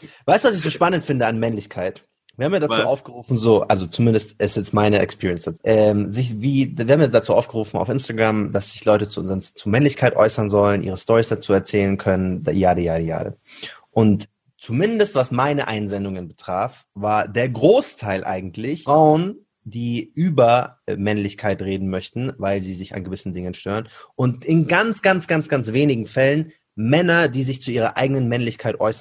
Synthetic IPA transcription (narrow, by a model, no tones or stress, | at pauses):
vaɪstuːvasɪçz̥oːʃpanəntfɪndəanmɛnlɪçkʰaɪt | v̥iːhaːmjaːdat͡suːʔaʊfɡ̥əʁuːfn̩zoːʔalzot͡sumɪndəstʔɛsjɛt͡stmaɪnəɛ̰kspʰiːɐiɛnsd̥at͡sːʔɛːmzɪçviːdviːhabm̩jadat͡suːʔa̰ʊfɡ̥əʁuːfn̩a̰ʊfʔɪnstaɡʁamd̥asz̥ɪçlɔʏtət͡suʔʊnzəənst͡sumɛnlɪçkʰaɪtʔɔ̰ʏsɐnzɔlənʔḭːʁ̞əstɔʁisd̥at͡suːɛɐt͡sɛːlənkʰœnəndjaːdəjaːdeja̰ːdə̰ | ʔʊnt | t͡sumɪndəstv̥asmaɪnəʔaɪnzɛndʊŋənbətʁ̥aːf | vaːɐdeːɐɡʁoːstʰaɪlʔa̰ɪɡŋ̩tʰlɪçʁ̥aʊən | diːʔyːbɐmɛnlɪçkʰaɪtʁeːdn̩mœçtn̩vaɪlziːzɪça̰nɡəvɪsn̩dɪŋənʃtøːʁənʔʊntɪnɡant͡sɡ̥ant͡sɡ̥ant͡sɡ̥ant͡sv̥eːnɪɡŋ̩fɛlən | mɛnɐdiːzɪçt͡suʔiːʁɐʔa̰ɪɡənənmɛnlɪçkʰaɪtʔɔʏsɐn